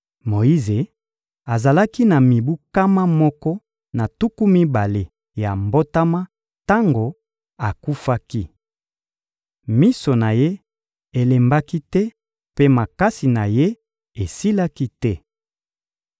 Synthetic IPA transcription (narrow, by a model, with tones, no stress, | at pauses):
mo˨i˦ze˨ | a˨za˨la˦ki˦na˨mi˨bu˦ka˦ma˦mɔ˦kɔ˦ | na˨tu˦ku˦mi˦ba˨le˨ | ja˨mbo˦ta˦ma˦ | ta˦ŋɡo˨ | a˨ku˦fa˦ki˦ | mi˦so˨na˨je˦ | e˨le˨mba˦ki˦tɛ˦ | pe˦ma˨ka˦si˨na˨je˦ | e˨si˦la˦ki˦tɛ˦